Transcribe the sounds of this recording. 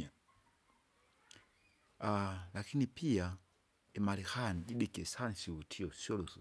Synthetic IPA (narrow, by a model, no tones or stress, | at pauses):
alakʰinipia | imalixanid͡ʒiɗikɛsanisiwutʰiɔsjɔlɔs